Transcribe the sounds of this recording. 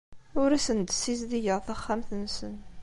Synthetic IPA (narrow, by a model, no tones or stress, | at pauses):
ʊɾæsənd̪sːizðijəʁθæχːæmθənsən